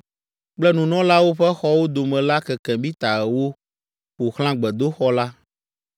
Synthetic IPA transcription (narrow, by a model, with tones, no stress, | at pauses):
k͡plɛ˦nũ˨nɔ̃˦la˦wo˦ɸɛ˦xɔ˦wo˦d̪o˨mɛ̃˨la˦kɛ˨kɛ̃˨bi˦t̪a˨ɛ˨wo˦ | ɸo˨xl̃ã˦ɡ͡bɛ˨d̪o˦xɔ˦la˦